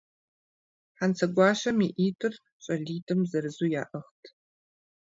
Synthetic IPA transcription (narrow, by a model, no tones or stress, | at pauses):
ħant͡sʰɐɡʷɑːʃɐmiʔiːtʰʼɨr | ɕʼɐɮiːtʰʼɨmzɐɾɨzuːja̰ːʔɐχtʰ